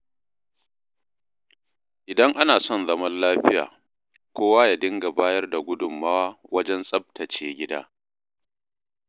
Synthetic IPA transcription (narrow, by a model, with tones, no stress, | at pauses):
ʔɪ˨dɐ˦ŋʔa˦naː˨sɔ˦˨nzɐ˦mɐ˦nlaː˦ɸɪ˦ja̰ː˨ | kʷoː˦waː˦ja˨dɪ˦ŋɡa˨baː˦jɐ˦rda˨ɡʷʊ˦dʊ˨mːa˦waː˦wɐ˦d͡ʒɛ˦nsʼɐ˦b̚tʰɐ˨t͡ʃeː˦ɡʲɪ˦da̰ː˦